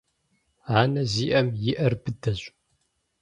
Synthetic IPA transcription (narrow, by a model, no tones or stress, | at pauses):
aːnɐziːʔɐmjɪʔɐrbɨdɐɕʷʼ